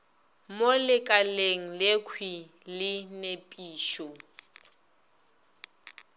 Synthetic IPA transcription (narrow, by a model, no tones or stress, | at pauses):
molɪkʼaleŋ̩lekʰwi | lɪnepʼiːʃɔ